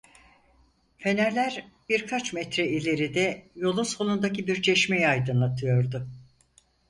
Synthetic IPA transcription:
fe̞næɾlʲæɾbiɾkʰat͡ʃmɛt̪ɾɛilʲe̞ɾid̪ɛjo̞lˠuso̞lˠund̪acibiɾt͡ʃʰeʃmejajd̪ɯnlˠat̪ʰɯjo̞ɾd̪ʊ

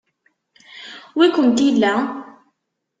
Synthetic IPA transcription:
wikʊmt̪ilːa

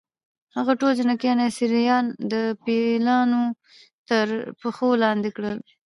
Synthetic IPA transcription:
haɣaʈold͡ʒɪnakianesiɾijɑnd̪əpelɑno | t̪əɾpəxolɑnd̪ekɽəl

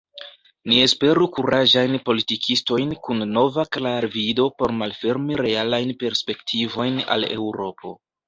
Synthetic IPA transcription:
nie̞spe̞ɾukuɾaʒajnpo̞litikʰisto̞jnkunːo̞vaklaɾvido̞po̞ɾmalfe̞ɾmiɾe̞alajnpe̞ɾspe̞ktʰivo̞jna̰le̞̰wɾo̞pʰo̞̰

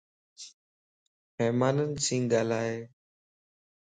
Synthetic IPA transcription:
pɛːmaːnənsĩːŋɡaːlaːɦeː

